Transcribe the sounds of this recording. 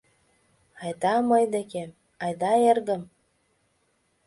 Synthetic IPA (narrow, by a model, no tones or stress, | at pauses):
ɑjd̪ɑmɤjd̪eke | ɑjd̪ɑerɣə̆m